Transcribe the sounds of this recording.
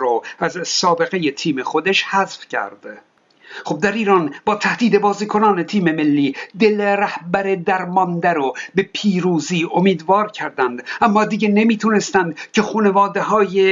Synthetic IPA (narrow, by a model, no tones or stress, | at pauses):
ɾoæzsɒːbe̞ɣe̞je̞t̪ʰiːme̞xo̞d̪eʃhæzfcʰæ̰ɾd̪̥ | χob̚d̪æɾiːɾɒːnbɒːt̪ʰæhd̪iːd̪e̞bɒːziːkʰo̞nɒːne̞t̪ʰiːme̞me̞lːiːd̪e̞leɾæhbæɾe̞d̪æɾmɒnd̪æɾobe̞pʰiːɾuːziːʔomiːd̪vɒːɾcʰæɾd̪ænd̪ʔæmːɒːd̪iɡene̞miːt̪ʰuːne̞st̪ænd̪cʰe̞xuːne̞vɒːd̪eɦɒːje